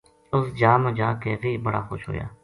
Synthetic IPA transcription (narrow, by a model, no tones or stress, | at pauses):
ʊsd͡ʒaːmə̃d͡ʒaːkeːɣiːbəɽa̰ːxoːʃɦo̰ːja̰ː